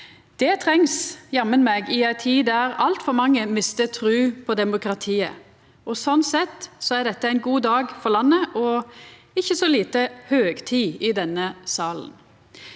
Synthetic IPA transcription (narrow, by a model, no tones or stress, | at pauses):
d̪̥ɛt̪ʰʁɛŋsjɛmənmɛɡɪæɪt̪ʰiːd̪æɾɑlt̪fɔɾmɑŋːəmɪst̪ət̪ʰɾʉːpʰɔd̪ɛmʊkɾɑt̪ʰiːə̰ | ɔsɔnsɛt̪sɔæɖ̪ɛt̪ːəæɪnɡuːd̪ɑːɡfɔʁlɑnːəʔɔ | ɪçːəsɔliːt̪əhøːɡt̪ʰiːɪd̪ɛnːəsɑːlən